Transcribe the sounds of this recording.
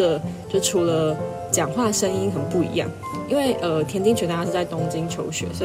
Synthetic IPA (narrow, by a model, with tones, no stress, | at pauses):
ə˨˩t͡ɕjo˥˩˨ʈ͡ʂʰu˨˥lə˧ | t͡ɕjɑ˨˩ŋxwa˥˩əʂə˦ŋi˥nxə˨˩ə˨mpu˥˩ḭ˧˥jɑ̰˥˩ŋ | i˥˦nwe˥˩ɪʔə˩t̪ʰjɛ˧˥nt͡ɕi˥˧ŋɕɥt̪a˥˧˩a˥ʂ̩˥˧˩t͡sa˥˩ɪt̪o˥ŋt͡ɕi˦ŋt͡ɕʰjo˧˥ʊɕɥɛ̰˨˧˥swɔ˧˥